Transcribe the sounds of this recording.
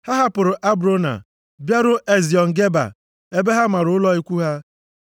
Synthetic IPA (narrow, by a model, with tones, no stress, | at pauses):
ha˦ɦa˦pʊ˨ɾʊ˨ʔa˦bɾo˦na̰˨ | bja˦ɾʊ˦ʔe˦zi˨ɔ˨ŋ̩˨ɡe˦ba̰˨ | e˦be˦ɦa˦ma˨ɾʊ˨˦ʊ˦lɔ˦i˦kʷu˦ɦa˦